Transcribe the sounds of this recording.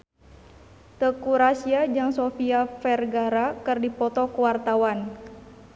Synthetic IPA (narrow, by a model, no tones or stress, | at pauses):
t̪əkuɾasiad͡ʒaŋsofiafɛrɡaɾakərdipɔt̪ɔkuwart̪awan